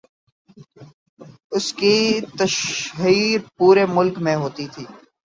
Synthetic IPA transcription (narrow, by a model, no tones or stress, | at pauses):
ʊskit̪əʃɦiːɾpuːɾemʊlkmẽɦoːt̪it̪ʰiː